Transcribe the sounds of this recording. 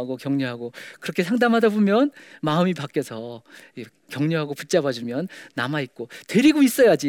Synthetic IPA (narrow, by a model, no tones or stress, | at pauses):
ɡokjʌŋɲuɦaɡokɯɾʌkʰe̞sʰaŋdamɦadabomjʌnmaɯmipak͈jʌsʰʌe | kjʌŋɲuɦaɡoput̚t͡ɕ͈abad͡ʑumjʌnːamait̚k͈otwe̞ɾiɡois͈ʌjad͡ʑi